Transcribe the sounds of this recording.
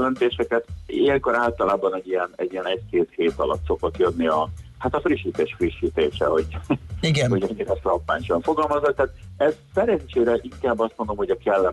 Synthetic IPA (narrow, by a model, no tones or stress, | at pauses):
lɛnt̪eːʃɛkɛt̪ḭjɛŋko̞ɾaːlt̪ɒlaːbɒnɛɟijɛnɛ̰ɟːijɛnɛckeːt̪heːt̪ɒlɒ̰t̪so̞kok̪jønːiɒhat̪ɒfriʃːiːt̪eːʃfriʃːiːt̪eːʃɛ̰ho̞ɟiɡɛnho̞ɟɛɲːiɾɛslɒpːa̰ːɲʃɒɱfo̞ɡɒlmɒzɒt̪̚t̪aːt̪ɛzsɛɾɛɲt͡ʃeːɾɛʔiŋkaːbːɒst̪mond̪omho̞ɟɒkɛlːɛ